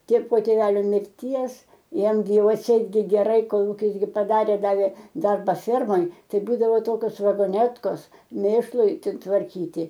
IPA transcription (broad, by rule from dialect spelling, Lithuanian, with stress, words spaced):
tʲeː poː tʲeːˈʋʲæːlʲoː mʲɪrʲˈtʲiɛs ˈjɛm ɡʲɪ ˈjɛʊ ɐtʲˈsʲɛɪt ɡʲɪ ˈɡʲæːrɐɪ ˈkoːlˠ ˈjɪs ɡʲɪ pɐˈdɑːrʲeː ˈdɑːʋʲeː ˈdɐrbɐ ˈfʲɛrmoːj ˈtɐɪ ˈbuːdɐʋoː ˈtoːkʲoːs ʋɐɡoːˈnʲæːtkoːs ˈmʲeːʃlˠʊɪ tʋɐrʲˈkʲiːtʲɪ